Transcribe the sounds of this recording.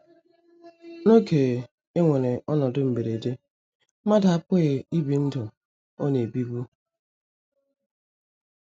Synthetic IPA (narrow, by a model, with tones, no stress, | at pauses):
no˦keː˨ | e˦ŋʷe˨ne˨ʔɔ˦nɔ˨dʊ˦m̩˨be˨ɾe˨de˦ | ma˦da˨a˦pʊ˦ɣe˨i˦bi˨n̩˦dʊ˨ | o˦ne˨bi˦bu˦